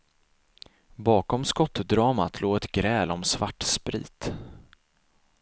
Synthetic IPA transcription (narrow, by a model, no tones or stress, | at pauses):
bɑːkɔmskɔt̪ːd̪ɾɑːmat̪ʰloːɡɛt̪ɡɾɛːlɔmsvaʈːspɾḭːt̪